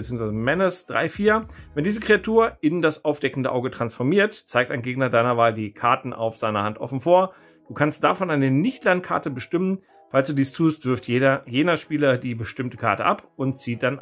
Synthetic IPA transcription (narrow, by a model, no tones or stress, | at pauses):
t͡siːʊŋ̩sv̥aɪzəmɛnəsd̥ʁa̰ɪfiːɐvɛndiːzəkʁ̥eatʰuːɐɪndasʔaʊfd̥ɛkn̩dəʔaʊɡətʁ̥ansfɔɐmiːɐtt͡saɪk̚taɪnɡeːɡnɐdaɪnɐvaːldiːkʰaɐtn̩ʔa̰ʊfz̥aɪnɐhantʔɔ̰fn̩foːɐ | d̥uːkʰanst̚d̥afɔnʔaɪnənɪçtlankʰa̰ɐtəbəʃtɪmən | falsd̥uːdiːstʰuːstv̥ɪɐftjeːɐjeːnɐʃpiːlɐdiːbəʃtɪmtəkʰa̰ɐtəʔapʔʊntt͡siːd̥an